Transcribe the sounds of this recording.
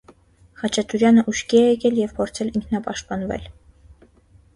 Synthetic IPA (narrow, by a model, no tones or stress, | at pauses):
χɑt͡ʃʰɑt̪uɾjɑnəʔuʃkiɛjɛkɛljɛvpʰɔɾt͡sʰɛliŋkʰnɑpɑʃt̪̚pɑnvɛ̰l